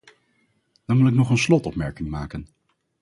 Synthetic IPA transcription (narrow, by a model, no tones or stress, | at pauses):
d̥ɑnʋɪlɪknɔχənslɔtɔpmɛɹkɪŋmaːkən